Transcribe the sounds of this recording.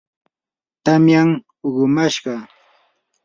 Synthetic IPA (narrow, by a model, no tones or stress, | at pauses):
t̪amjaŋ | oɢʊmaʃɢɑ